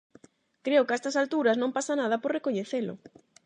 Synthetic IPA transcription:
kɾeʊkɛst̪ɐsalt̪uɾɐznõmpasanað̞ɐpoɾrekoɲeθelʊ̰

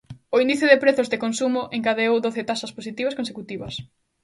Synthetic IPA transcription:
oind̪iθjʊðɪpɾeθʊzðɪkonsumʊʔeŋkaðeowðoθɪt̪asɐsposit̪iβɐskonsekut̪iβɐs

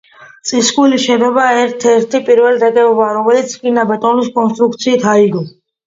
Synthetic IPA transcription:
t̪sʼiskʼuliʃɛd̪ɔbaɛɾt̪ʰɛɾt̪ʰipʼiɾvɛlɾɛkʼɛɔbaɾɔmɛlit̪sʰkʼinabɛt̪ʼɔniskʼɔnst̪ʼɾuk̚t̪sʰiːt̪ʰaiɡɔ

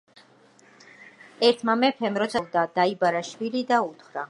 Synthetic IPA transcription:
ɛɾt̪ʰmamɛpʰɛmɾɔt̪sʰavd̪ad̪̥aibaɾaʃwilid̪aut̪ʰχɾa

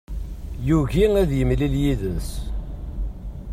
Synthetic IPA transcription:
juʝiæðjəmliljiðəs

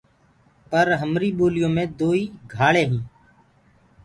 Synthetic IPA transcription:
pəɾɦəmɾiːɓoːlɪjõːmẽːd̪oːiːɡʱaːɭẽːɦĩː

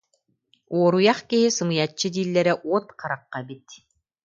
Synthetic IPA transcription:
uɔɾujɑχkiɦisɯmɯjat͡ɕːɯd̪iːlːɛɾɛʔuɔt̪qʰaɾaqːabit̪̚

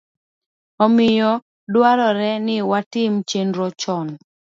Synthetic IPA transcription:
ɔmɪjɔ | dwaɾɔɾɛnɪwatɪmt͡ʃenɾɔt͡ʃɔn

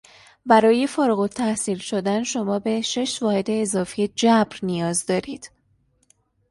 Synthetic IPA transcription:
bæɾɒːje̞foːɾuɣot̪ʰːæhsiːlʃo̞d̪ænʃo̞mɒːbe̞ʃe̞ʃvɒːhe̞d̪e̞ːzɒːfijed͡ʒæbɾnijɒːzd̪ɒːɾiːd̪̥

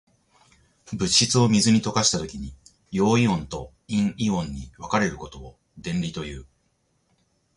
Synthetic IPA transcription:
bɯ̟ɕit͡sɨo̞mʲizɨɲ̟it̪o̞kaɕi̥t̪at̪o̞kʲiɲ̟i | jo̞ːiõ̞nt̪o̞ | ĩŋiõ̞ɲ̟ːiβakaɾe̞ɾɯ̟ko̞t̪o̞ː | d̪ẽ̞nɾʲit̪o̞jɯː

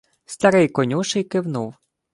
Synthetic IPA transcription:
st̪ɐɾɪjkɔnʲuʃɪjkɪwnuw

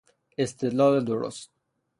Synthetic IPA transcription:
est̪ed̪lɑːled̪oɾo̰st̪̚

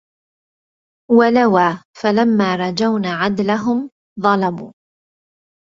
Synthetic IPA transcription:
walawaːfalamːaːɾˤɑd͡ʒawnaːʕad̪laɦʊm | ðˤɑlɑbuː

